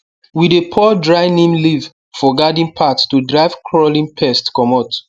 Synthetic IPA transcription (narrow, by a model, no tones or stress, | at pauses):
widepʰɔdɹaɪnĩmliv | fɔɡadĩnpʰattudɹaɪvkʰɹɔlĩnpʰɛstkɔmɔt